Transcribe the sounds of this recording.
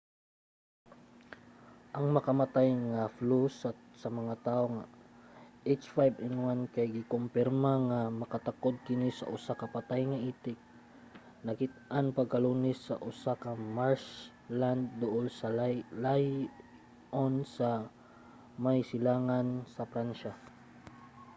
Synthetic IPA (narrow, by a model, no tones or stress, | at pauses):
ʔɐŋmɐkɐmat̪ajŋaflusat̪̚sɐmɐŋat̪aːʔoŋa | ʔejt͡ʃfajbɪnwankajɡɪkʊmpɪɾmaŋamɐkɐt̪akod̪̚kɪnɪsɐ̰ʔʊsakɐpat̪ajŋɐʔiːt̪ɪk̚ | nɐkɪt̪̚ʔanpɐɡ̚kɐluːnɪsːɐʔʊsakɐmaɹs | land̪̚ːʊʔolsɐllaj | ʔonsɐ | majsɪlaːŋansɐpɾanʃa